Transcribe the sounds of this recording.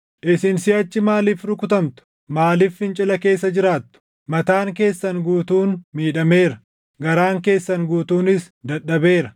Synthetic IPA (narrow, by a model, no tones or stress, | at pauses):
ʔɪsɪnsiɐt͡ʃːɪmaːliːfɾʊkʊt̪ɐmt̪ʊ̥ | maːliːfɪnt͡ʃʼɪlɐke̞ːsːɐd͡ʒɪɾaːt̪ːʊ̥ | mɐt̪aːŋke̞ːsːɐŋɡuːt̪uːnmiːᶑɐme̞ːɾɐ | ɡɐɾaːŋke̞ːsːɐŋɡuːt̪uːnɪs | d̪ɐɗɐbe̞ːɾɐ